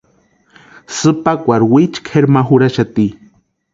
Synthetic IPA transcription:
sɨpakʷaɾwit͡ʃkʰeɾmaɦuɾaʃat̪i

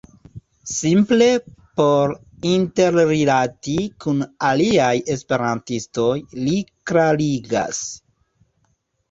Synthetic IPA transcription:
simple̞po̞ɾ | inte̞ɾɾilatikunaliaje̞spe̞ɾantisto̞jlikɾaliɡa̰s

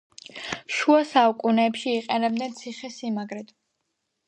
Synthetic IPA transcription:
ʃuasaukʼunɛːpʃiːqʼɛnɛb̚d̪nɛnt̪sʰiχɛsimaɡɾɛd̪ʰ

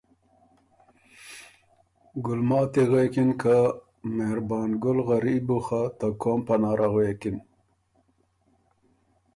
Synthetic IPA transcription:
ɡʊlmɑːt̪eɣekinka | mehɾbɑːnɡʊlɣaɾibuxat̪akʰompanɑːɾʔaɣwekin

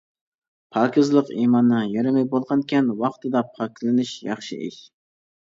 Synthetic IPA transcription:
pʰɑkʲʰɪzlˠəqimɑnːɨjɑɾɪmɛjbolˠʁɑnkʲɛnwɑqt̪ʰɨd̪ɑpʰɑɾkʲʰlˠɪnɪʃjɑχʃɪ̰ʔɪ̰ʃ

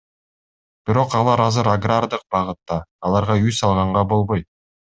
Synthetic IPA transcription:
b̥iɾo̞qɑlˠɑɾɑzɯɾaɡrard̪ɯq̚bɑʁɯt̪ːɑːlˠɑɾʁɑysɑlˠʁɑɴʁɑbo̞lˠβo̞jt̪̚

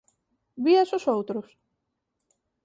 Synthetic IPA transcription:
βiasosowt̪ɾos

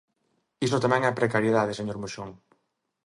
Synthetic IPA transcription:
isʊt̪amɛ̃ŋɛɛpɾekaɾjeðaðeseɲoɾmoʃoŋ

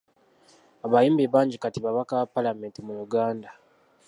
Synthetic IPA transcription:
aβajiːmbeβaːɲɟikatiβaβakaβapːalame̞ːntimuɾuɡaːnda

